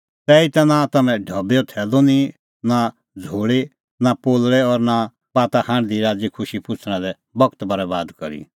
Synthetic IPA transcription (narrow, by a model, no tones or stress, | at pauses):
t̪ɛːit̪ɛnat̪ɐmɛ̃ɖʱɐbeot̪ʰɛːlonĩ | na | d͡zʱoːɽe | napoːlɽɛɔːɾna | baːt̪ahãːɽ̃d̪iɾaːd͡zikʰʊʃipʊt͡sʰɽ̃ɛ̃d̪ɛ | bɐkt̪bʱɐɾɛbaːd̪kɐɾḭ